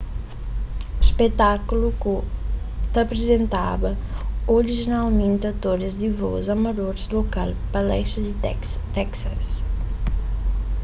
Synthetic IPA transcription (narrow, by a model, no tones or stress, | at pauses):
ʃpet̪akuluku | t̪ɐpɾezẽnt̪a̰bɐ | oɾiʒinalmẽnt̪ɐt̪oɾɐzd̪ivɔ̰zɐmɐd̪oɾzlokalpɐlɛ̰ʃt̪ɐd̪ | t̪ɛksɐs